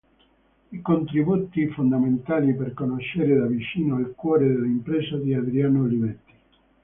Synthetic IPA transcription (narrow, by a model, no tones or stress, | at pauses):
ikont̪ɾibut̪ifond̪ament̪aːliperkonoʃeɾed̪avit͡ʃiːnoalkwɔːɾed̪elaimpɾɛsad̪iad̪ɾianolibɛt̪ːi̥